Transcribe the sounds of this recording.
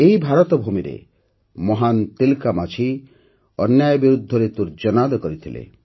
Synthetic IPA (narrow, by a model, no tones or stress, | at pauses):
ejbʱaɾɔt̪ɔbʱumiɾḛ | mɔɦant̪ilkamat͡ʃʰi | ɔnjajɔbiɾud̪ʱːɔɾet̪uɾd͡ʒɔnad̪ɔkɔɾit̪ʰilḛ